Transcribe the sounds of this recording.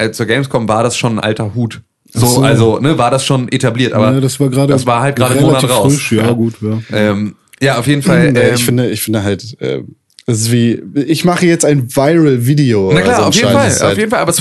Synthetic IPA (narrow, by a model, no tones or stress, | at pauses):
ʔɛːt͡suːɐɡɛɪmskʰɔmmvaːɐdasʃoːnnʔa̰ltɐhuːt | zoːʔalzonəvaːɐdasʃoːnʔetabliːɐtʔa̰ːbɐdasv̥aːɐɡʁaːɾədaasv̥aːɐhalt̚ɡ̥ʁaːdəmoːnatʁaʊʁʃjaːɡuːtjaːʔɛːm | jaːaʊfjeːdn̩falɛːɪmfɪndəɪçfɪndəɦaltʔɛ̰ːm | d̥ɛsɪstv̥iːɪçmaχəjɛt͡staɪnvaɪʁəlviːdionaklaːɐaʊfjeːdfalʔaʊjeːdn̩falʔabɐs